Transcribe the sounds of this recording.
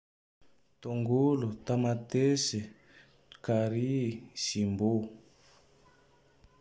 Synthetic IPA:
t̪oŋɡulut̪amat̪esɛ | kaɾisimbo

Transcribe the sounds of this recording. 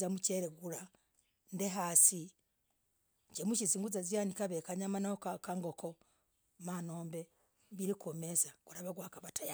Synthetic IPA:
amuceɾeɡuɾa | ndeɦasi | ɲɟemuʃ̬isiŋɡuzazijanikaβekaɲamanahokkaŋɡokʰo | manoːmbe | βiɾikomezakuɾaβaɡwaːkaβataja

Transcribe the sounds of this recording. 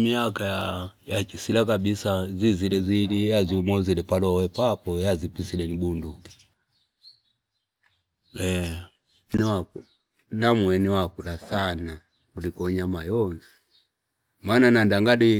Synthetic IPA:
miakajajat͡ʃisilakabisazizilɛziliaziumɔzilɛpalɔwɛpapɔjazipisilɛnibundu | ɛ | niwau | namwɛniwakulasana | kulikɔɲamajɔnzi | maːnanandaŋɡadi

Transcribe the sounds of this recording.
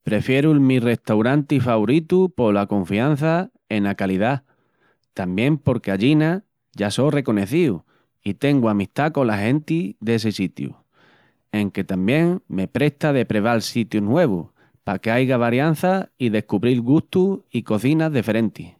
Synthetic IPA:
pɾe̞fje̞ɾulmire̞ht̪awɾant̪ifaβoɾit̪upo̞lakõ̞ɱfian̟θa | e̞nakaliða | t̪ambjẽ̞mpo̞ɾke̞aʎina | ʝaso̞re̞ko̞ne̞θiu | it̪e̞ŋɡuamist̪ako̞laɦẽ̞nt̪iðe̞sesit̪jṵ | e̞ŋke̞t̪ambjẽ̞ŋme̞pɾe̞ht̪aðe̞pɾe̞β̞alsit̪junwe̞β̞u | pake̞ajɣaβ̞aɾjan̟θaiðe̞hkuβɾilɣuht̪uiko̞θinaðife̞ɾẽ̞nt̪i

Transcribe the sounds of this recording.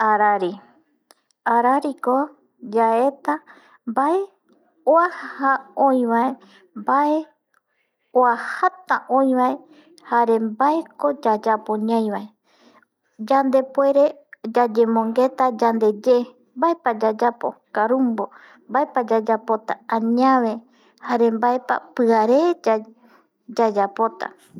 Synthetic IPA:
aɾaɾi | aɾaɾiko | d͡ʒae̞t̪a | mbae̞ | oahahaõĩβae̞ | mbae̞ | oahat̪aʔõj̃βae̞ | haɾe̞mbaeko̞d͡ʒad͡ʒapoɲãj̃βae | d͡ʒand̪e̞poe̞ɾe̞d͡ʒad͡ʒe̞mõ̞ŋɡe̞t̪ad͡ʒand̪e̞d͡ʒe | mbae̞pad͡ʒad͡ʒapo̰kaɾumbo | mbaepad͡ʒad͡ʒapo̞t̪aãɲãʋe̞ | haɾe̞mbaepa̰pɨaɾed͡ʒa | d͡ʒad͡ʒapo̞t̪a̰

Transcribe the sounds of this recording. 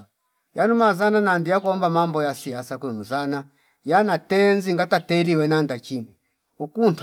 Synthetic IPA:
janumazananandijakuɔmbamambɔjasiasakɛmuzana | janatɛnziŋɡatatɛɾiwɛnandat͡ʃimɛ | ukunt

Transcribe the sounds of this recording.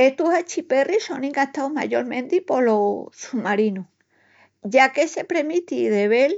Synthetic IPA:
eht̪uhat͡ʃiperisonĩŋɡat̪awma̰ʝoɾmẽnd̪ipo̞losumaɾinu | ʝakese̞pɾemit̪iðeβel

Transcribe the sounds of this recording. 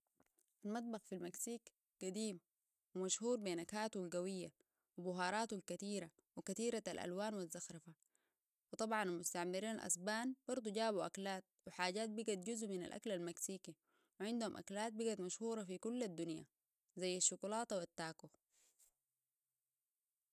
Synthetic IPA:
ʔalmɑt̪̚ˤbɑxfilmaksiːk | ɡ̥ad̪iːm | wimaʃhuːɾbeːnakaːt̪ualɡawijːa | wibʊɦɑːɾˤɑːt̪ulkat̪iːɾa | wikat̪iːɾaa̰lʔa̰lwaːnwizːaxɾɑfa | wɨt̪ˤɑbʕɑnalmʊst̪aʕmiɾiːnalʔa̰sbaːnb̥ɑɾˤd̪ˤuɟaːbuʔa̰klaːt̪̚wiħaːɟaːt̪̚biɡat̪̚ɟuzʔmina̰lʔa̰klalmaksiːki | wiʕɪnd̪humʔa̰klaːt̪̚biɡat̪maʃhuːɾˤɑfikulːad̪ːunja̰ | zajːaʃːʊkulɑːt̪wat̪ːaːku

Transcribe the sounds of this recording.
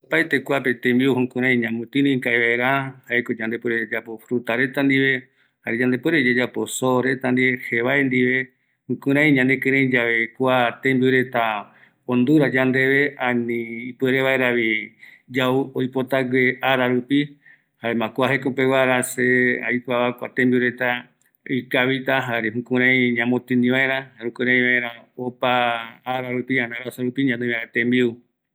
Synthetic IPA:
opajt̪e̞kʷape̞t̪ẽmbiuhũkũɾ̃ãj̃ɲãmũt̪ĩɾõĩkaeβaeɾahaekod͡ʒand̪epweɾed͡ʒapo̞fɾut̪aɾe̞t̪and̪iβe̞ | haɾed͡ʒãnd̪epweɾed͡ʒad͡ʒapo̞soɾe̞t̪and̪iβe̞heβaend̪iʋe̞ | hũkũɾãj̃ɲãnẽkɨ̃ɾ̃ẽj̃d͡ʒaʋe̞kʷat̪ẽmbiuɾe̞t̪a | õnd̪uɾad͡ʒand̪e̞βe̞ãnĩːpeɾeβaeɾaβid͡ʒauojpo̞t̪aɡeʔaɾaɾupi | haemãkʷaɦe̞kopewaɾasea̰jkʷaβakʷa̰t̪ẽmbiuɾe̞t̪a | ikaβit̪aɦaɾeɦũkũɾ̃ãj̃ɲãmõt̪ɨ̃nĩβaeɾãaɾũkɨ̃ɾ̃ãj̃βaeɾ̃aopaːɾaɾupiãnaɾasaɾupiɲãnemaet̪ẽmbiu

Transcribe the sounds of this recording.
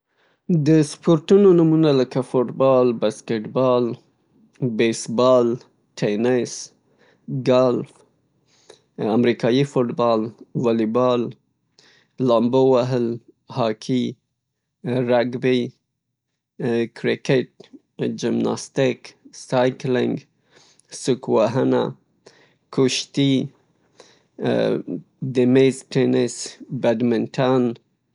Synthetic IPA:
d̪əspoɾʈunonumunaləkafoʈbɑlbaskeʈbɑl | besbɑl | ʈʰenɪs | ɡalf | amɾikɑjifoʈbɑlwalibɑl | ɑmbowaɦəl | hɑkʰi | ɾaɡbi | kʰɾɪkɪʈ̚ | d͡ʒɪmnɑ̰st̪ɪksɑjklɪŋɡ | sʊkwaɦana̰ | kuʃt̪i | d̪ɪmezʈenɪsbaɖmɪnʈʰan

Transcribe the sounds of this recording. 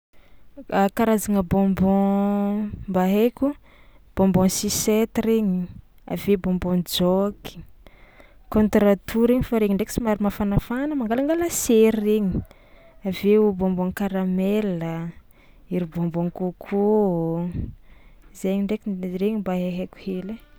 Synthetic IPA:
kaɾazaŋəbɔ̃mbɔ̃ | mbaɦekʲu | b̥ɔ̃mbɔ̃sisɛt̪ɾeɲi | a̰vebɔmbɔ̃nd͡zokʰi̥ | kɔ̃nt̪ɾat̪uɾeɲifaɾeɲiɳɖ͡ʐeki̥simaɾimafanafanəmaŋɡalaŋɡalaseɾːeɲi | avebɔ̃mbɔŋkaɾamɛlə | iɾibɔmbɔ̃ŋkokʰo | izeɲiɳɖ͡ʐekireɲimbaɦeɦekʲu̥hele

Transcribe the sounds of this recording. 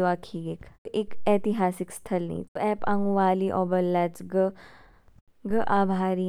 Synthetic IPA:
ʋaːkʰiːɡekekɛːt̪ɪɦaːsɪkst̪ʰɐlnɐ̰ḭ̃t̪ɛːpɐ̃ŋɡʋaːliʔɔːbɐlːɐt͡ʃɡə | ɡəʔaːbʱaːɾi

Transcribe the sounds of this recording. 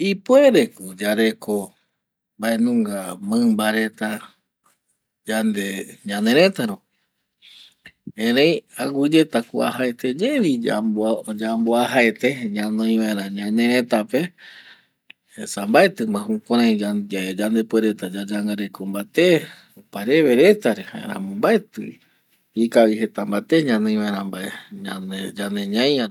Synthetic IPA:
ipweɾekud͡ʒaɾe̞ko̞ | mbaenũŋɡamɨ̃mbaɾe̞t̪a | d͡ʒand̪eɲãneɾ̃ẽ̞t̪aɾõ | ẽɾẽj̃aɡud͡ʒe̞t̪akua̰ɦaet̪e̞d͡ʒeβi | d͡ʒamboaɦaet̪eɲãnõj̃βaeɾãɲãnẽɾẽt̪ape̞ | sambaet̪ɨmãɦũkãɾãj̃ad͡ʒand̪epweɾe̞t̪ad͡ʒad͡ʒaŋɡaɾekombat̪e | opaɾe̞βe̞ɾe̞t̪aɾehã̰ḛɾã̰mõmbaet̪ɨ | ikawihe̞t̪ambat̪eɲãnɨ̃j̃βãeɾãmbaeɲaed͡ʒaneɲãja

